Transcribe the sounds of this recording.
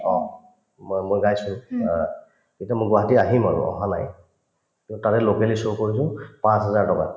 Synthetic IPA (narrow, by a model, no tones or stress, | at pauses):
ɔ̰̃ | mmojɡajsʊn | kitamojɡwaɦatiaɦima̰ɹʊ̰ɔ̰ɦana̰j | kĩntʊtatɛlokɛlisokoɹisʊ̃pãsɦɛzaɹtɔka̰